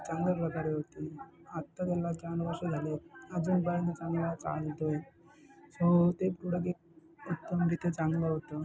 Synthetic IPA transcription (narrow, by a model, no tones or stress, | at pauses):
t͡sãŋɡljapɾəkaɾeɦot̪eat̪ːat̪alad͡ʑanʋəɾʂed͡zʱalead͡zuːnbaid̪it͡sãŋɡlat͡sa̰ɭt̪oe | sot̪epɾuɽək̬ek̚ | ut̪ːəmɾit̪et͡sãŋɡloɦot̪o